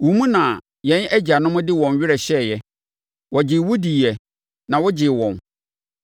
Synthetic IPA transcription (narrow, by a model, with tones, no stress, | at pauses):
wũ˨˦mũ˦nã˨ | jɛ̃˨˦næ˦d͡ʑi˨a˨nʊ̃˦mʊ̃˦dɪ˦wɔ̃˨n˨ɥɪ˦ɾɛ˨ɕɛ˦˨jɛ˦ | wɔ˨d͡ʑɪ˨wo˦di˨jɛ˨ | nã˨wɔ˦d͡ʑɪ˨wɔ̃˨n